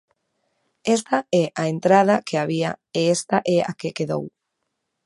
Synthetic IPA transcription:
ɛst̪aɛʔaent̪ɾað̞akeaβ̞iaeest̪aʔɛa̰kekeðo̰w

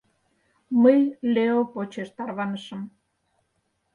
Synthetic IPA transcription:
məjleopot͡ɕeʃt̪ɑrβɑnəʃəm

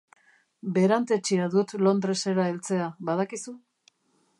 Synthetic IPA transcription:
be̞ɾant̪e̞t͡ʃiaðut̪lo̞nd̪ɾe̞se̞ɾaelt͡se̞aβaðakisu

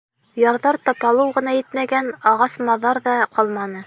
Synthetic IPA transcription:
jɑɾðɑɾt̪ɑpɑlˠɤwʁɤ̆nɑjɘ̆t̪mæɡænɑʁɑsmɑðɑɾðɑqɑlˠmɑnɤ

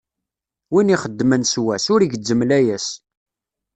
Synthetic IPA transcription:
winiχəd̪ːmənswæsʊɾiʝəd͡zːəmlæjæs

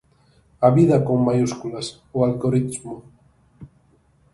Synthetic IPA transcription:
aβiðakoŋmajuskulas | oalɡoɾit̪mo

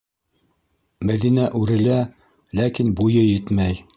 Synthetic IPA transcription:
mæðinæʔʉɾɘ̆læ | lækinbujɤjɘt̪mæj

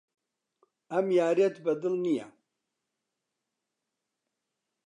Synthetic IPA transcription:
ɐmjaːɾet̪bɐd̪ɨlnija̰

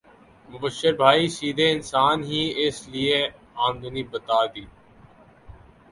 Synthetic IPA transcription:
mʊbəʃːəɾbʱaːisiːd̪ʱeɪnsaːnɦiɪslie | ãːnd̪əniːbət̪aːd̪iː

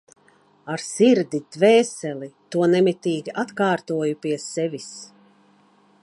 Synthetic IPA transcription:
aɾsiɾd̪id̪̥vɛːsɛlit̪uɔnɛmit̪iːɡʲiʔat̪kaːɾt̪uɔjupiɛsɛvʲis

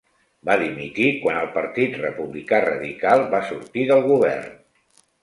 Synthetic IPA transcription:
baðimit̪ikwanəlˠpəɾt̪it̪rəpuβlikarə̰ðikalˠβasuɾt̪iðəlˠɣuβ̞ɛ̰rn

